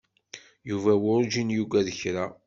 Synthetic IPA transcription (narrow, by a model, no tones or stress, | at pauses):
juvæwʊɾʒinjuɡæðəçɾæ